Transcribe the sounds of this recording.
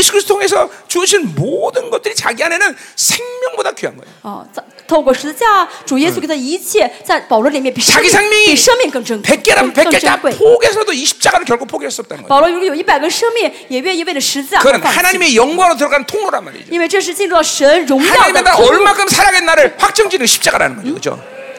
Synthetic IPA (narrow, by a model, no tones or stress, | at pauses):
sʰu̥kʰɾisʰtːʰtʰoŋesʰʌt͡ɕuɕ̬ʰinmodɯnɡʌt̚t͈ɯɾit͡ɕaɡianenɯnsʰeŋmʲjʌŋbodakiɦa̰nɡʌ | ʌ̰t̪ʰokwɔʂɻ̩t͡ɕjaʈ͡ʂujɛs̬uk̪ʰːit͡ɕʰjɛt͡saɪpɑʊlwɔlimjɛnpiʂt͡ɕaɡisʰeŋmiiʂɤŋminkɤŋʈ͡ʂəŋkek͈̚eɾapekkeʈ͡ʂakepʰoɡesʰʌd̪oiɕʰi̥p̚t͡ɕ͈aɡaɾɯnkjʌkʰopʰoɡeesuʌp̚t͈anʌpɑʊlwɔɻukjoipaɪɡəʂɤŋmiŋjɛɥɛniweɪdəʂɻ̩t͡ɕaknahanaɲime̞jʌŋɡwaɾot̪̬ɯɾʌɡanɯntʰoŋnoɾanma̰ɾḭinweɪʈ͡ʂɤʂ̬ɻ̩t͡ɕinɻut̪ɑʊʂənɻʊŋajɑʊɲidmet̪aɔɭmakʰɯmsʰaɾaŋenːaɾɯɭɸwak̚t͡ɕʌŋd͡ʑiniɡɕʰi̥p̚t͡ɕ͈aɡaɾa̰nɯnɡa̰ioo̰